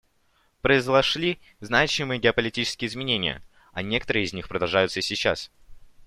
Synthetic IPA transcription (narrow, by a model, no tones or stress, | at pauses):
pɾəɪzlˠɐʂlʲi | znat͡ɕɪmɨjəɡʲɪɐpəlʲɪtʲit͡ɕɪskʲɪjəɪzmʲɪnʲenʲɪ̰jə̰ | ɐnʲe̞kə̥t̪əɾɨjəɪzʲnʲixpɾəd̪ɐlˠʐajʊt̪səsʲɪt͡ɕːa̰s